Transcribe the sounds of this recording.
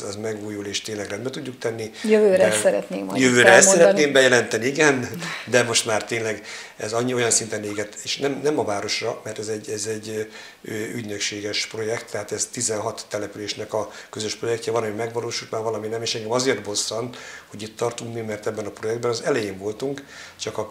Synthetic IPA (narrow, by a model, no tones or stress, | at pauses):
ɛzmɛɡuːjuleːʃt̪eːnlɛɡrɛnbɛt̪uɟːuk̚t̪ɛnːijøvøːɾɛsɛɾɛt̪neːkmɒjøvøːɾɛɛssɛɾɛt̪neːmbɛjɛlɛnt̪ɛniiɡɛnd̪ɛmo̞ʃt̪maːrt̪eːnlɛɡɛzɒɲːio̞jɒnsint̪ɛneːɡɛt̪eːʃnɛmnɛmɒvaːɾo̞ʃrɒmɛrt̪ɛzɛɟːɛzɛɟː | øːyɟnøkʃeːɡɛʃpro̞jɛkt̪ːɛɦaːt̪ɛzt̪izɛnɦɒt̪ːɛlɛpyleːʃnɛkɒkøzøʃpro̞jɛkcɛvɒlɒmimɛɡʋɒloːʃult̪maːrvɒlɒminɛmeːʃɛŋɡɛmɒzeːrt̪bo̞sːɒnt̪ho̞ɟit̪ːɒrt̪uŋkmimɛrt̪ɛbːɛnɒpro̞jɛɡ̚d̪bɛnɒzɛlɛjeːɱvo̞lt̪uŋkt͡ʃɒkɒ